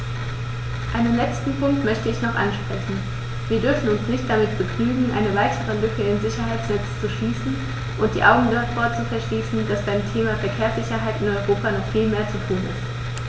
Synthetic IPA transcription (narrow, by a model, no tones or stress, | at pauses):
ʔaɪnənlɛt͡stn̩pʰʊŋk̚tmœçtəɪçnɔχʔa̰nʃpʁ̥ɛçn̩ | viːɐdʏɐfn̩ʊnsnɪçt̚d̥amɪtb̥əkʰnyːɡŋ̩ʔaɪnəvaɪtʰəʁəlʏkəɪnzɪçɐɦaɪtsnɛt͡st͡suʃliːsn̩ | ʔʊntd̥ḭːʔaʊɡŋ̩dɔɐtfoːɐt͡sufɛɐʃliːsn̩d̥asb̥aɪmtʰeːmafɛɐkʰeːɐsz̥ɪçɐɦaɪtɪnɔʏʁoːpanɔχfiːlmeːɐt͡sutʰuːnɪ̰st